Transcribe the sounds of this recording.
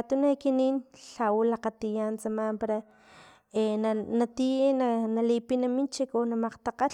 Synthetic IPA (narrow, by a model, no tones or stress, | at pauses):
t̪unakiniːnɬawulaqat̪ijant͡samaːmpaɾa | enanat̪inanalipinamint͡ʃikonamaqt̪aqa